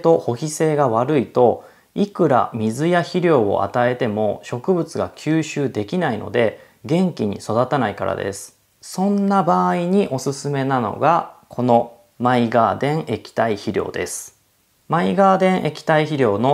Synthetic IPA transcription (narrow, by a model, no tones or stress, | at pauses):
t̪o̞ho̞çise̞ːɡaβaɾɯ̟it̪o̞ | ikɯ̟ɾa̰mʲizɨjaçiɾʲo̞ːo̰ʔa̰t̪ae̞t̪e̞mo̞ɕo̞kɯ̟bɯ̟t͡sɨɡakʲʰɨːɕɨːd̪e̞kʲinaino̞̰d̪e̞ | ɡẽ̞ŋkʲiɲ̟ḭso̞d̪at̪anaika̰ɾa̰d̪e̞̰sɨ̥ | sõ̞nːabaːiɲ̟iʔo̞sɨsɨme̞nano̞̰ɡakʰo̞no̞ | maiɡaːd̪ẽ̞ɰ̃ʔe̞kʲi̥t̪aiçiɾʲo̞̰ːd̪e̞̰sɨ̥ | maiɡaːd̪ẽ̞ɰ̃ʔe̞kʲi̥t̪aiçiɾʲo̞ːno̞